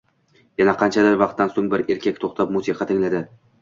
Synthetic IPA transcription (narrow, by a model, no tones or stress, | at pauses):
janaqʰɑnt͡ʃʰad̪ɪɾvɑq̚t̪ːansoŋbɪɾe̞ɾkʲʰakʲt̪ʰoχt̪ʰapmʊsiqʰɑt̪ʰɪŋlad̪ɪ